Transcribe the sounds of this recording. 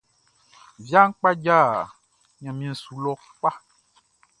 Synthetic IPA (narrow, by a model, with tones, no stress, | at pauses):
vja˦ŋ̩˦k͡pa˦d͡ʒa˦˨ | ɲã˨mĩ˨ɛ̃˨su˨lɔ˦ | k͡pa˦